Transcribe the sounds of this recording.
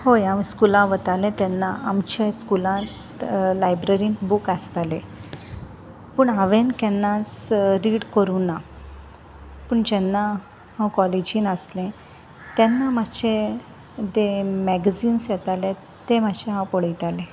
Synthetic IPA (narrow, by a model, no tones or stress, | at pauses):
hojãmskulãʋət̪alɛ̃t̪ɛnːaːmt͡ɕaskulãt̪ | lajbɾəɾĩnt̪bukast̪alẽ | pəɳaʋenkɛnːat͡sɾiːɽkəɾunːa | pəɳd͡ʑɛnːa | hãwkɔled͡ʑiːnaslẽ | t̪ɛnːamaɕẽ | d̪emɛɡziːnsjɛt̪alẽ | t̪emat͡ɕeɦãpɔɽ̤əjt̪alẽ